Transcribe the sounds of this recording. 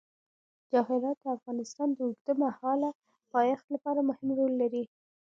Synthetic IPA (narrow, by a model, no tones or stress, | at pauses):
d͡ʒɑhɪɾɑt̪̚d̪əafɣɑnɪst̪ɑnd̪əuɡd̪əmahɑla | pɑjɑxt̪lapɑɾamʊhɪmɾolːaɾi